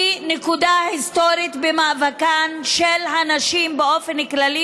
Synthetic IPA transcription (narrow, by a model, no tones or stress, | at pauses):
inekud̪ahist̪o̞ɾit̪bemavakanʃelɦanaʃimbeo̞fenklali